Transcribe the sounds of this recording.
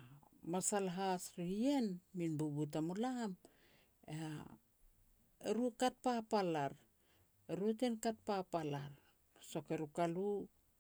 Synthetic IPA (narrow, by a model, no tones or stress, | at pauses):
masalɦasɾie̞nminbubut̬amulam | ea | eɾukat̚papalaɾ | eɾuetenkat̚papalaɾ | so̞ke̞ɾukalu